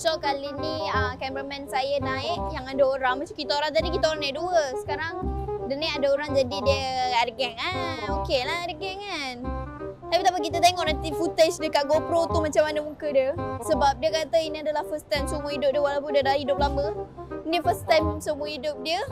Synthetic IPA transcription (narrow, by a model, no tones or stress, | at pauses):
sɔkaliniəkɛmpɾəmɛ̃nsajənaɪʔjaŋadaoɾaŋmat͡ʃamkit̪aoɾaŋt̪̬adikit̪aoɾaŋnaɪʔduəsə̥kaɾaŋdɛniadaoɾaŋd͡ʒadidiəadəɡɛŋaokelahadəɡɛŋant̪apit̪apak̬it̪ət̪̬eŋɔʔɾant̪ifut̪et͡ʃdəkat̪̚ɡopɾot̪umat͡ʃamanəmukədiəsəbap̚diəkat̪əiniadalahfəst̪ajmsəmuəidʊp̚diəwalawp̬ʊndiadalahidʊp̚lamənifəst̪ajmsəmuəidʊp̚diə